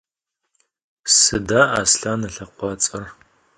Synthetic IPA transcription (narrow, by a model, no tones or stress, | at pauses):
sɨdaːʔaːsɬaːnɐɬɐqʷɑt͡sʼɐr